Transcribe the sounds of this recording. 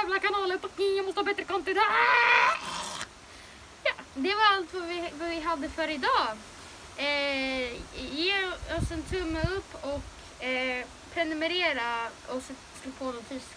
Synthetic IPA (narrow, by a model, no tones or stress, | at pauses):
æːvlakanɑːləɾpɔkɪjɑmɔst̪əhɑːbɛt̪ːɾəkʰant̪ɪd̪ɛ | jɑːd̪ɛvaɾalt̪vavɪvavɪɦad̪ːəfœːɾəɪd̪ɑː | jeːɔsɛnt̪ʰɵmːəɵpːɔk | pʰɾɛnɵmɛɾeːɾaɔs | sloːpʰoːd̪ɔt̪ʰyːs